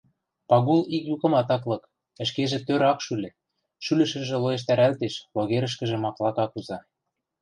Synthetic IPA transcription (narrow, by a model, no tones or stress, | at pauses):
pɑɣulikjukɤ̆mɑt̪ɑklɤ̆k | ə̆ʃkeʒĕt̪øɾɑkʃylʲɘ̆ | ʃylɘ̆ʃɘ̆ʒĕloeʃ̬t̪æɾælt̪eʃloɣeɾə̆ʃ̬kə̆ʒĕmɑklˠɑkɑkuzɑ